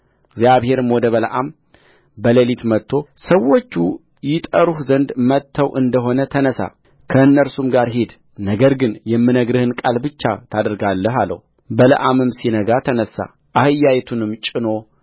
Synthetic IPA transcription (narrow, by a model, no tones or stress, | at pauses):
ɡzjaβhe̞ɾɨmwɔd̪əβələʔam | bəlelit̪mət̪ʰːo̞səwːot͡ʃːu | jɪt̪ʼəɾuhzənd̪mət̪ʰːəwʔɨnd̪əɦo̞nət̪ʰənəsa̰ | kʰəɨnːəɾsumɡaɾɦid̪ | nəɡəɾɡɨnjɛmːɨnəɡɾɨhɨnkʼalbɨt͡ʃːat̪ʰad̪əɾɡalːəɦalːə̰hu | bələ̰ʔamɨmsinəɡat̪ʰənəsa̰ | ʔahɨjːajɛt̪ʰunɨmt͡ʃʼɪno̞